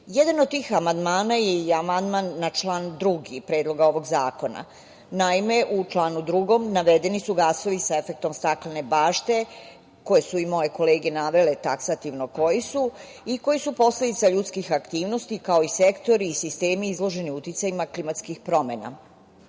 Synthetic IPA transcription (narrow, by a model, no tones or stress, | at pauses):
jed̪anod̪̚t̪iːxamand̪maːnajeamand̪manːat͡ʃlaːnd̪ɾuɡipɾeːd̪lˠo̞ɡao̞ʋo̞ɡzaːko̞na̰ | naime̞ʔut͡ʃlˠaːnud̪ɾuɡo̞mnaʋe̞d̪e̞nisuɡaso̞ʋisae̞fe̞k̚t̪o̞mst̪aklane̞baːʃt̪e̞ | ko̞je̞suimo̞je̞ko̞le̞ːɡe̞naʋe̞let̪aksat̪iʋno̞ko̞jisu | iko̞jisupo̞sle̞d̪it̪saʎut̪skixakt̪iːʋno̞st̪ikao̞ise̞kt̪o̞ɾiːsist̪e̞ːmiizlˠo̞ʒe̞niut̪it̪sajimaklimat̪skixpɾo̞me̞na̰